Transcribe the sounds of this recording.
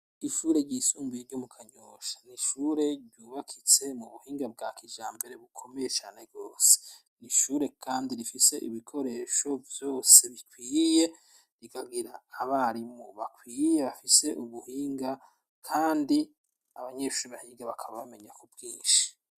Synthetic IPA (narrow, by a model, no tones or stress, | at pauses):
iʃuːɾe̞ɾɟiːsuːmbijeɾɟumukʰaɲoːʃḁniʃuɾe̞ɾɟuːβakʰit͡se̞muβuhiːŋɡab̚ɡaːkʰid͡ʒaːmbe̞ɾe̞βukʰome̞jet͡ʃaːne̞ɡoːse̥ | niʃuːɾe̞kʰaːndiɾifise̞ʔiβikʰo̞ɾe̞ːʃo̞vjo̞ːse̞βikwiːje̞ | ɾiɡaɡiɾaːβaɾimoβakwiːje̞βafise̞ʔuβuhiːŋɡa | kʰaːndi | aβaɲeʃuːɾiβahiːŋɡaβakʰaβaβame̞ɲakub̚ɡiːnʃi̥